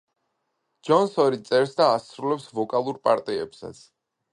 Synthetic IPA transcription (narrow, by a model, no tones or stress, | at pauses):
d͡ʒɔnsɔɾit̪sʼɛɾsd̪aːsɾulɛpsvɔkʼalˠuɾpʼaɾt̪ʼiɛ̰psa̰t̪sʰ